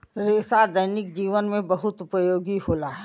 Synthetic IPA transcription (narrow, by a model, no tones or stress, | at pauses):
ɾeːsad̪əjnɪkd͡ʒiːʋənmẽbɐɦʊt̪ʊpəjoːɡiɦoːlaɦɛ